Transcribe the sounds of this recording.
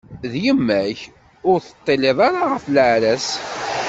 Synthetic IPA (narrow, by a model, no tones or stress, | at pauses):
ðjəmːæç | ʊɾθə̥t̪ˤːeleðˤɑɾaʁəfləʕɾæs